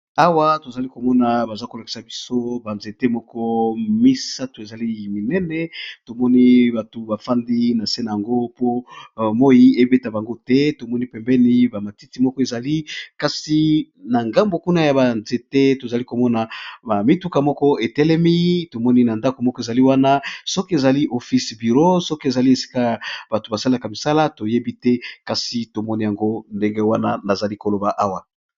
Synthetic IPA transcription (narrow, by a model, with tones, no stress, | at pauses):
a˦wa˦to˨za˨li˦ko˨mɔ˦na˨ba˨za˦ko˨la˨ki̥˨sa˨bi˦so˦ba˨nze˨te˦mɔ˦kɔ˦mi˦sa˦to˨e˨za˨li˦˨mi˨nɛ˦nɛ˨to˨mɔ˦ni˦ba˨tu˨ba˨fa˦ndi˦na˨se˦na˨ja˨ŋɡo˦po˦mɔ˦ji˦e˦be˦ta˨ba˨ŋɡo˦tɛ˦to˨mɔ˦ni˦pɛ˨mbɛ˦ni˦ba˨ma˨ti˦ti˨mɔ˦kɔ˦e˨za˨li˦ka˨si˨ | na˨ŋɡa˦mbo˨ku˦na˦ja˨ba˨nze˨tɛ˦to˨za˨li˦ko˨mɔ˦na˨ba˨mi˦tu˦ka˨mɔ˦kɔ˦e˨tɛ˦lɛ˦mi˦to˨mɔ˦ni˦na˨nda˦ko˨mɔ˦kɔ˦e˨za˨li˦wa˦na˦sɔ˦ke˨za˨li˦ʔo˨fi˦sbi˨ʁo˦sɔ˦ke˨za˨li˦e˨si̥˦ka˦ja˨ba˨to˨ba˨sa˦la˨ka˨mi˨sa˦la˦to˨je˦bi˦tɛ˦ka˨si˨to˨mɔ˦ni˦ja˨ŋɡo˦nde˦ŋɡe˦wa˦na˦na˨za˨li˦ko˨lo˨ba˨ʔa˦wa˨